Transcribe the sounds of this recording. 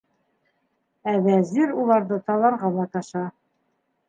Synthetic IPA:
ævæziɾulˠɑɾðɤt̪ɑlˠɑɾʁɑlˠɑt̪ɑʃɑ

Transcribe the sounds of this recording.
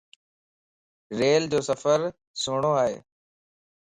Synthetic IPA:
ɾeːld͡ʑoːsəfəɾ | sʊːɳ̃oːaːɦḛː

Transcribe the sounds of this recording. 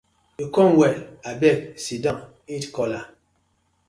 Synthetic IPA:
ekɔŋwɛabɛk̚sidaŋ | itkɔla

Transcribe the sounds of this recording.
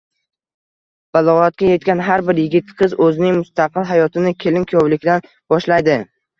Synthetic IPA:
b̥alˠɒʁat̪̚kʲaje̞t̪kʲanɦaɾbɪɾjɪɡʲɪt̪qʰɨzɵzɪnɪŋmʊst̪ʰaqɨlˠɦajɒt̪ʰɪnɪkʲʰe̞lɪnkʲʰjɒwlɪkʲd̪an | b̥ɒʃlajd̪ɪ

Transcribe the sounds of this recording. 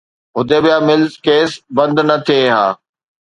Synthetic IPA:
ɦʊd̪eːbɪjaːmɪlzkeːsbɐ̃nd̪nɐt̪ʰieɦaː

